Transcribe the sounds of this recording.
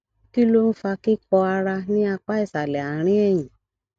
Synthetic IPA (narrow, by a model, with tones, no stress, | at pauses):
ki˦lo˦n̩˦fa˧ki˦k͡pɔ˧a˧ɾa˧nĩ˦a˧k͡pa˦i˦˨sa˨lɛ˨a˨ɾ̃ĩ˦ɛ˦˨j̃ĩ˨